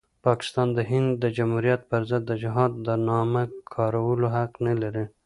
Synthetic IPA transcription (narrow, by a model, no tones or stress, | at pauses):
pɑkɪ̥st̪ɑnd̪əɦɪnd̪d̪əd͡ʒamhuɾijat̪̚pəɾzəd̪ːəd͡ʒɪɦɑd̪ːənɑmakʰɑɾawəloɦakqnalaɾi